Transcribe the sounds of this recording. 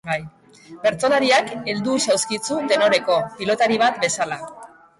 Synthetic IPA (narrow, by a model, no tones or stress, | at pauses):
baj | be̞ɾt͡so̞laɾiake̞ld̪usawskit͡sut̪e̞no̞ɾe̞ko̞pilo̞t̪aɾiβ̞at̪̚be̞sala